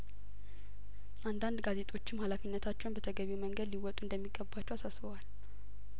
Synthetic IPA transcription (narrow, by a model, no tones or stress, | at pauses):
ʔand̪and̪ɡaze̞t̪ʼʰo̞t͡ʃːɪmhalafinːət̪ʰat͡ʃːɛwnbət̪ʰəɡəβiməŋɡəd̪liwɔt̪ʼuɨnd̪əmːiɡəbat͡ʃːɛwasasbəwal